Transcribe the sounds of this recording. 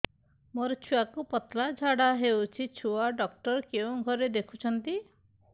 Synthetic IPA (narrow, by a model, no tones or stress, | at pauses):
mɔɾɔt͡ʃʰuakupɔt̪lad͡ʒʱaɽaɦewt͡ʃʰit͡ʃʰuaɖɔkʈɔɾkew̃ɡʱɔɾed̪ekʰut͡ʃʰɔnt̪i